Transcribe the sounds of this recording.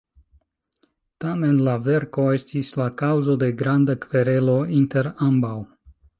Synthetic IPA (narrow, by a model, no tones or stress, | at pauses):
tame̞nlave̞ɾko̞e̞stislakawzo̞de̞ɡɾandakve̞ɾe̞lo̞inte̞ɾambaw